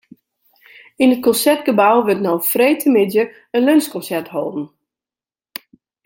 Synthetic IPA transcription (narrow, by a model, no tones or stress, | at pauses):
inət̚kɔnsɛrt̚ɡəbawʋətnɔwfreːtʰəmɪdjə | ənlønskɔ̃nsɛrtɦɔlˠdn̩